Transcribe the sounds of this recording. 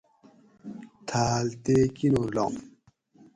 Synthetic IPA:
t̪ʰaːlt̪ekinoɾlo̰m

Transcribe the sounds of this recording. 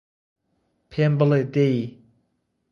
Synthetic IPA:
pʰembəlet̪eji

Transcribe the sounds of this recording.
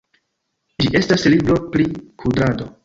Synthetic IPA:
d͡ʒiʔe̞staslibɾo̞plikʰudɾado

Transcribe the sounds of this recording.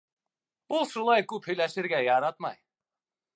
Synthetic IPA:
bulˠʃulˠɑjkɵphɵjlæʃɘɾɡʲæjɑɾɑt̪mɑ̰j

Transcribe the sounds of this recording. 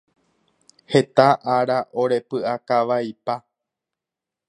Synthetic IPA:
he̞t̪aʔaɾaʔoɾe̞pɨakaʋajpa

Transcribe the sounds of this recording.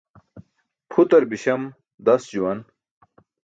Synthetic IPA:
pʰut̪ɐɾbiɕɐm | d̪ɐsd͡ʑuwɐn

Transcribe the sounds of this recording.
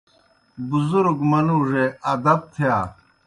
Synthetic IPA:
buzuɾɡmɐnuːʐeɐd̪ɐb̚t̪ʰijaː

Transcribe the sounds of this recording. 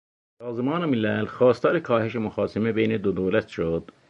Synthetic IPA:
sɑːzmɑːnemilælxɑːst̪ʰɑːɾekʰɑːheʃemoxɑːsemebejned̪od̪oːlæt̪ʃod̪̥

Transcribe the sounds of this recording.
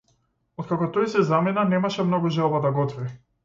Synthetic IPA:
ɔt̪kakɔt̪ɔjsɛzaminanɛmaʃɛmnɔɡuʒɛlˠbad̪aɡɔt̪vi

